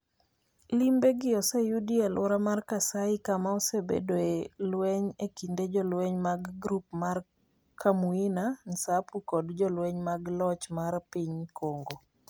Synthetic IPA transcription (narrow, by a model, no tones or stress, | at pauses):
limbeɡɪɔsejudielɔɾamarkasaɪkamaɔsebḛdoelweɲekinded͡ʒɔlweɲmaɡɡɾup̚mar | kʰamuinansapukɔdd͡ʒɔlweɲmaɡlɔt͡ʃmarpiɲkoŋɡo